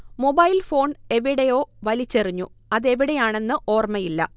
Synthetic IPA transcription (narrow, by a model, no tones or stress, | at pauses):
mo̞bɐjlfo̞ːɳe̞ʋiɽejo̞ːʋɐlit͡ɕːeriɲːṵɐðe̞ʋiɽejaːɳe̞nːɨʔo̞ːrmɐjilːɐ̰